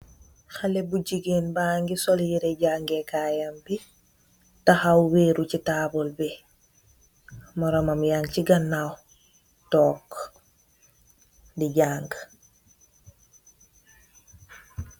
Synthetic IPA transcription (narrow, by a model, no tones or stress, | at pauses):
xalebuɟiɡenbaŋɡisoljiɾeɟaŋɡekajambi | taxawweɾucitabɔlbe | mɔɾomamjaŋciɡanːaw | tɔːk | diɟaːŋɡ